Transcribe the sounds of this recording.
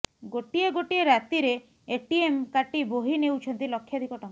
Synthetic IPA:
ɡoʈieɡoʈieɾat̪iɾe | eʈiemkaʈiboɦinewt͡ʃʰɔnt̪ilɔkʰːjad̪ʱikɔʈam

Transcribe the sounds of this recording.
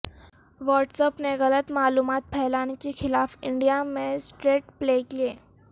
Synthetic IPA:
ʋɔːʈsəpneɣɐlət̪maːluːmaːt̪̚pʰɛɦlaːnekexɪlaːfɪ̃ɳɖijamẽsʈɾeːʈ̚plekieː

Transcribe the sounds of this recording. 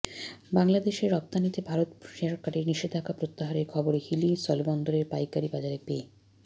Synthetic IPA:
baŋlad̪eʃeɾɔp̚t̪anit̪ebʱaɾot̪ʃeɾakːaʈiɾniʃed̪ʱakapɾot̪ːaɦaɾeɾkʰɔboɾehilisɔlbɔnd̪oɾeɾpajkaɾibad͡ʑaɾepe

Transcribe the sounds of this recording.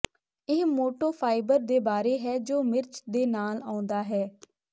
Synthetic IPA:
ɪːmoːʈoːpʰaːɪbəɾd̪eːbaːɾeːɦɛːd͡ʒoːmɪɾt͡ʃd̪eːnaːlaːʊ̃nd̪aːɦɛː

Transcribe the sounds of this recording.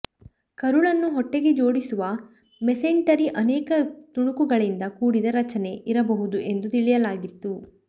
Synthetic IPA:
kɐɾuɭɐnːuɦɔʈːeɡe̞d͡ʒo̞ːɽisuʋɐ | meseɳʈɐɾiʔɐnɛːkɐt̪uɳukuɡɐɭind̪ɐkuːɽid̪ɐɾɐt͡ʃɐne̞ʔiɾɐbɐɦud̪uʔe̞nd̪ut̪iɭijɐlaːɡit̪ːu

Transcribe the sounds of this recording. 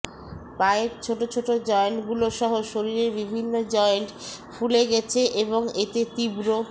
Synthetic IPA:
paeɾt͡ɕʰoʈot͡ɕʰoʈod͡ʑɔenɡuloʃɔɦoʃoɾiɾeɾbibʱinːod͡ʑɔenʈfʰuleɡɛt͡ɕʰeʔeβoŋet̪et̪ibɾo

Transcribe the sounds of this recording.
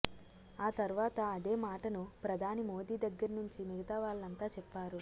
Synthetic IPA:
aːt̪ɐɾuʋaːt̪ɐɐd̪e̞ːmaːʈɐnupɾɐd̪ʱaːnimo̞ːd̪iːd̪ɐɡːɐɾɐnuɲt͡ʃimiɡɐt̪aːʋaːɭːɐnt̪aːt͡ʃɛpːaːɾu

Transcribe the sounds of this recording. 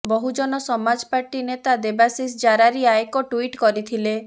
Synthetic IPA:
bɔɦud͡ʒɔnɔsɔmad͡ʒɔpaɾʈinet̪ad̪ebasisd͡ʒaɾaɾiaekɔʈuiʈkɔɾit̪ʰile

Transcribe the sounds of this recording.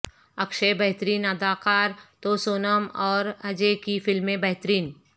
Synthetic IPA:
ɐkʃebɛɦt̪ɾiːnɐd̪aːqaːɾt̪oːsoːnəmɔːɾɐd͡ʒekifɪlmẽbɐɦt̪ɾiːn

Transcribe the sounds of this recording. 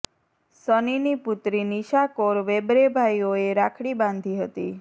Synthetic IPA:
səniniput̪ɾiniʃakoɾʋebɾebʱaijoeɾakʰɽibãnd̪ʱiɦət̪i

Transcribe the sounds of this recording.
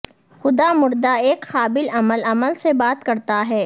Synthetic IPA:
xʊd̪amʊɾd̪aeːkxaːbɪlɐməlɐməlsebaːt̪kɐɾt̪aɦɛː

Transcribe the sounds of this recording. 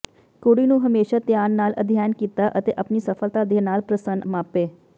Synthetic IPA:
koɽiːnũːɦəmeːʃaːt̪jaːnːaːlʔə̰d̪ʱɪjaːnkiːt̪aːʔət̪eːʔəpniːsəfʰəlt̪aːd̪eːnaːlpɾəsənmaːpeː

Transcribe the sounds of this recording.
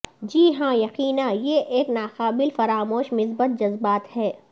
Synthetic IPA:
d͡ʒiːɦãːjɐqiːnãːjeʔeːknaːxaːbɪlfɐɾaːmoːʃmɪsbət̪̚d͡ʒɐzbaːt̪hɛː

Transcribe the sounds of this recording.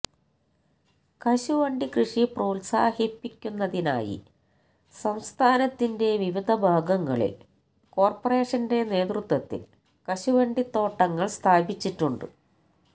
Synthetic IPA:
kɐɕuʋɐɳɖikrɨʂiproːlsaːhipːikʲːunːɐðina̰ːjḭ | sɐmst̪ʰaːnɐt̪ːinde̞ʋiʋid̪ʱɐbʱaːɡɐŋːɐ̰ɭḭl | ko̞ːrpɐre̞ːʂɐnde̞ne̞ːt̪rut̪wɐt̪ːḭl | kɐɕuʋɐɳɖit̪ːo̞ːʈːɐŋːɐɭst̪ʰaːbit͡ɕːiʈːuɳɖɨ̰

